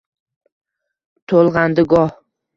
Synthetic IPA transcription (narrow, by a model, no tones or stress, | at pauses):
t̪ʰolˠʁɑnd̪ɪɡɒh